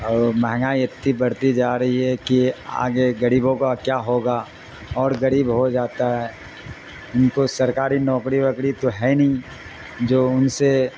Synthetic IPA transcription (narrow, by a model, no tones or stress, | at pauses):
mɛɦŋaːiɐt̪ːibɐɾt̪id͡ʒaːɾɐɦiɦɛkia̰ːɡeɡɐɾiːbõkakjaːɦoːɡa | ɔːɾɡɐɾiːbɦod͡ʒaːt̪aɦɛ | ʊnkosɐɾkaːɾinɔːkɾiʋɐkɽit̪oɦɛnɐĩ | d͡ʒoːʊnse